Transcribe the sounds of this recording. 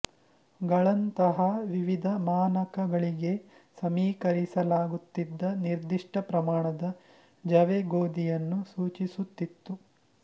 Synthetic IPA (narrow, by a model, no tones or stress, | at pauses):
ɡɐɭɐnt̪ɐɦɐʋiʋid̪ʱɐmaːnɐkʰɐɡɐɭiɡe̞ | sɐmiːkɐɾisɐlaːɡut̪ːid̪ːɐniɾd̪iʂʈɐpɾɐmaːɳɐd̪ɐ | d͡ʒɐʋeɡoːd̪ijɐnːusuːt͡ʃisut̪ːit̪ːu